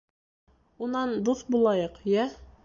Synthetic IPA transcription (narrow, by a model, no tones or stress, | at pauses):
unɑnd̪uθbulˠɑjɤqjæ